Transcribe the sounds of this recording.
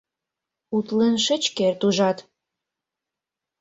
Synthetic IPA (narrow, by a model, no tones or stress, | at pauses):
ut̪lenʃə̆t͡ɕkert̪uʒɑt̪